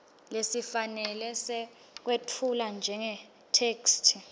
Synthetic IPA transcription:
lesifanɛlɛsɛ | k̬wetʰuland͡ʒʱɛŋɛ | tʰeːkstʰi

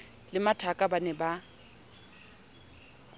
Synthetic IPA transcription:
lɪmatʰakʼabanɛba

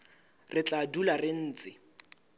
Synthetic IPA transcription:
rɪt͡ɬadularɪn̩ːt͡sʼɪ

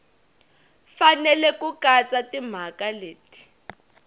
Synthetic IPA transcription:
fanɛlɛkukat͡satim̤akaleːti̥

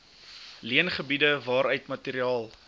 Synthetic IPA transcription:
liənχəbidəvɑːɾœɥtmɐtiːɾiɑːlˠ

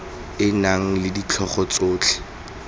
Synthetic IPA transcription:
ɪnaŋ̩lɪdit͡ɬʰɔχɔt͡soːt͡ɬʰɛ̥

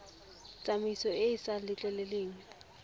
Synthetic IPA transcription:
t͡sʼamisɔɪːsalɪt͡ɬʼɛlɛleːŋ̩

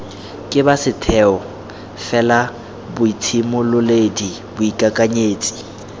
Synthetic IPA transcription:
kʼɪbasɪtʰɛɔ | fɛla | bʊitʰimʊlʊledi | bʊikʼakʼaɲeːt͡sʼi̥

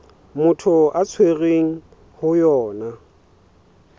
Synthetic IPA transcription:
mʊtʰʊʔat͡sʰweɣeŋ̩ | hʊjɔːna

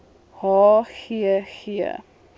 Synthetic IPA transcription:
hɑːxiəxiə̰

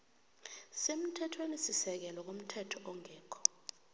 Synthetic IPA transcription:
sem̩tʰɛtʰwenisisɛk̬ɛlɔk̬om̩tʰɛtʰɔʔɔŋɛːkʰɔ̥

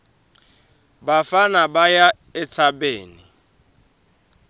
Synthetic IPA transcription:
bafanabaja | ɛt͡sʰabeːni

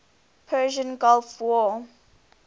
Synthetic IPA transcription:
pʰɜʒə̃nɡɔlfwɔ

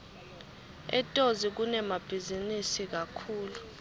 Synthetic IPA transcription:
ɛ̰tʼozik̬unɛmab̥ʱizinisik̬akʰuːlu

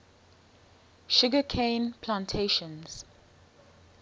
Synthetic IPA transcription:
ʃʊɡəkʰẽɪnpʰlãntʰeʃə̃nz̥

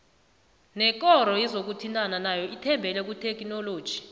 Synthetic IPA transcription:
nɛk̬ʼɔɾɔjɛzok̬utʰintʼananajɔʔitʰɛmbʱɛlɛk̬utʰɛk̬ʼnɔloːd̥ʒ̥ʱi̥

